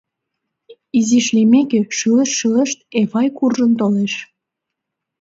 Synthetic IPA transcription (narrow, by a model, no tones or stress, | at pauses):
iziʃlimekeʃɨləʃːɯləʃt̪eβɑjkurʒənt̪oleʃ